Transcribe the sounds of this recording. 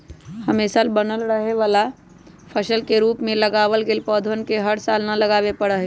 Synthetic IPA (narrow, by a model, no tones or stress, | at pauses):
hɐmeːsalbənəlɾəɦeʋaːla | pʰəʃəlkeɾuːpmẽlɐɡaːʋəlɡelpɔːd̪ʱʋənkeɦəɽsaːlnɐlɐɡaːwepɐɽəɦe